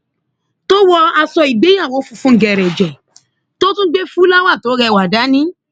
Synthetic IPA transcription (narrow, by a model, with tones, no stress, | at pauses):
to˦wɔ˧a˧sɔ˧i˨ɡ͡be˨˦jã˦˨wo˨˦fu˧fũ˦ɡɛ˨ɾɛ˨d͡ʒɛ˨ | to˦tũ˦ɡ͡be˦fũ˦la˦wa˦˨to˨˦ɾɛ˧˨wa˨da˨˦nĩ˦